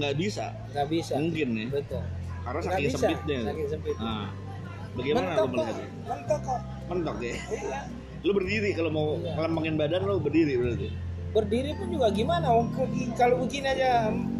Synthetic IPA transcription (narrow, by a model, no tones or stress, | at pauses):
ŋɡaʔbisa̰ | ŋɡabisamuŋkɪnːɪbət̪ʊl | kaɾnasaɡkaɪŋsəmsapɪt̪̚ɲait̪akɪŋsəmpɪt̪a | baɡajməannaopəlad | mənt̪aka | mənt̪ɔk̚kajala | lobərdiɾikalomauəlambaŋɪnbadanlobərdiɾibət̪ult̪ʊbərdiɾipʊnd͡ʒuɡaɡimanawaŋkukikalouɡinad͡ʒa